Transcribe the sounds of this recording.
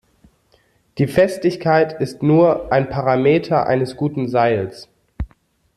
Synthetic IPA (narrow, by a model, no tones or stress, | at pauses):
d̥iːfɛstɪçkʰaɪtɪstnuːɐʔaɪnpʰaʁameːtʰɐʔa̰ɪnəsɡ̥uːtn̩zaɪls